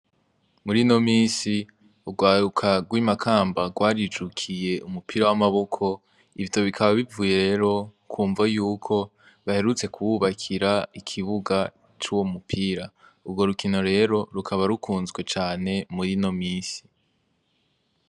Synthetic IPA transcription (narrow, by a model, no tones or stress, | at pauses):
muɾino̞miːnsi | uɡwaːɾukʰaɡwimakʰaːmbaɡwaːɾid͡ʒukʰije̞umupiɾawamaβo̞kʰo̞ | iβjo̞βikʰaβaβivuːje̞ɾe̞ːɾo̞kʰuːɱvajuːkʰo̞ | βahe̞ɾut͡se̞kʰuwuβakʰiɾaikʰiβuɡa | t͡ʃuːwo̞mupʰiːɾa | uɾɡo̞ɾukino̞ɾe̞ːɾo̞ɾukʰaβaɾukʰuːnzɡwe̞t͡ʃaːne̞muɾino̞miːsi̥